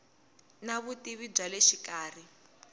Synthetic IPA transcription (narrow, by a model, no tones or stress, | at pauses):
naβutiβib͡ʐaleʃikaːr̤i